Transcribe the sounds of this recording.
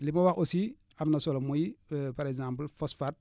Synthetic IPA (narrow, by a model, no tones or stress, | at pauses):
limowaxosi | amnasolomujipaɾeɡzãːmplfosfat̚